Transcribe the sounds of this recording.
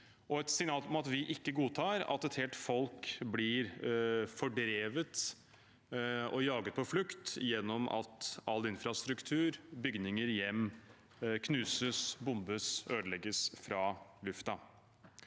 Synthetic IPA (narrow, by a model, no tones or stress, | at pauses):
ʔɔɛt̪sɪŋnɑːlɔmɑt̪ʋɪʔɪkːəɡuːt̪ʰɑːɾɑ̰t̪ɛt̪hɛlt̪fɔlkblɪɾfɔɖɾeːʋət̪ | ɔjɑːɡət̪̚pʰɔflʉkt̪jɛnːɔmɑ̰t̪ɑlːɪnfɾɑst̪ɾʉkt̪ʰʉːɾbʏɡnɪŋəɾjɛmː | kʰnʉːsəsbʊmbəsøːd̪əlɛɡəsfɾɑːlʉft̪ɑ